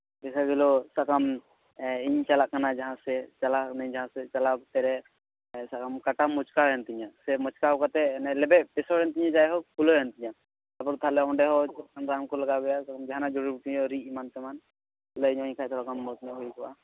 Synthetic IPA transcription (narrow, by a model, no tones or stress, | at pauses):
bɛsaɡɛlɔsakam | iɲt͡ʃalaʔkanad͡ʒaɦãsɛt͡ʃalaʔnaɲd͡ʒaɦãsɛt͡ʃalakt̪ɛɾɛ | sakamkaʈamɔt͡ʃkaɛnt̪iɲasɛmɔt͡ʃkawkat̪ɛnɛlɛbɛpɛsɔɾɛnt̪iɲad͡ʒajɦɔkulɔjant̪iɲa | abɔɾt̪ʰalɛɔnɖɛɦɔt͡ʃɔkanɾamkɔlaɡabɛjasakamd͡ʒaɦanad͡ʒɔɽibuʈiɲɔɾiimant̪ɛman | lɔiɲɔɲkʰat͡ʃalakanmɔt̪nɛɦujkɔwa